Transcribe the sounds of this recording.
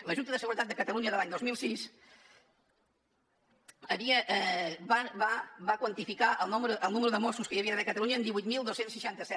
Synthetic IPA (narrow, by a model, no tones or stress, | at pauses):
ləʒunt̪əðəsəɣuɾət̪at̪̚d̪əkət̪əluɲəðəlaɲd̪ozmilˠsis | əβiəʔβaβabakwənt̪ifikaʔəlˠnuməɾuʔəlˠnuməɾuðəmosuskəjəβiəðəβɛkət̪əluɲəːnd̪iβujt̪milˠd̪osensəʃant̪əsɛ